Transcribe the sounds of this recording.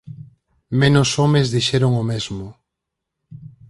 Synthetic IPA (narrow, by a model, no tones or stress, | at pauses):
mẽnosomezðiʃɛɾoŋomezmʊ